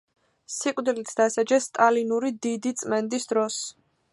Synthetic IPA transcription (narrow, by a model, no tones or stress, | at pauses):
sikʼvd̪ilit̪ʰd̪asad͡ʒɛsːt̪ʼalinuɾid̪id̪it̪sʼmɛnd̪isd̪ɾɔs